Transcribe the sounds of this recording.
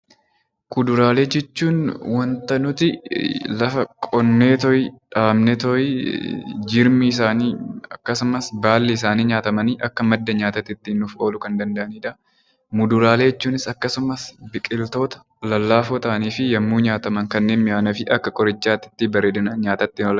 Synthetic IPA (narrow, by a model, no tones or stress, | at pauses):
kʊd̪ʊɾaːle̞ːd͡ʒɛt͡ʃːuːnwɐnt̪ɐnʊt̪ɪlɐfɐkʼɔnːeːt̪ɔjᶑaːmnet̪ɔj | d͡ʒɪɾmɪːs̬aːniːɐkːɐsʊmɐsbaːlːɪɪs̬aːniːɲaːt̪ɐmɐniːʔɐkːɐmɐd̪ːɐɲaːt̪ɐt̪ːɪt̪ːɪnʊfo̞ːlʊkɐnd̪ɐnd̪ɐʔɐniːᶑ̪ɐ | mʊd̪ʊɾaːleːɛt͡ʃːuːnɪsɐkːɐsʊmɐsbɪkʼɪlt̪o̞ːt̪ɐ̥ | lɐlːaːfɔt̪aːniːfɪjɐmːuːɲaːt̪ɐmɐŋkɐnːe̞ːnmɪaːnɐfɪʔɐkːɐkʼɔɾɪt͡ʃːaːt̪ːɪ̥t̪ːɪbɐɾeːd̪ɐnɐɲaːt̪ɐt̪ːɪɔl